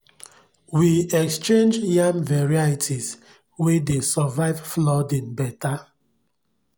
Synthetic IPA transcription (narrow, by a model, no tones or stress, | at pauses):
wiɛkst͡ʃẽnd͡ʒjamvɛɹaitʰiz | wedesɔvaɪvflɔdĩnbɛta